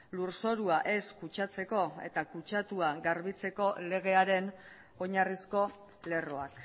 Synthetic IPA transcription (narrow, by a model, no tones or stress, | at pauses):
luɾso̞ɾuaʔe̞skut͡ʃat͡se̞ko̞e̞̰t̪akut͡ʃat̪uaɡaɾβit͡se̞ko̞le̞ɣe̞aɾe̞n | o̞ɲarisko̞ | le̞ro̞ak